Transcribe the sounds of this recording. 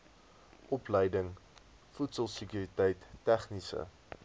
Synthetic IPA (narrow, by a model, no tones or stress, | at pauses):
ʔɔplɛjdəŋ | futsəlˠsəkjuːɾitɛjtːæχnisə̰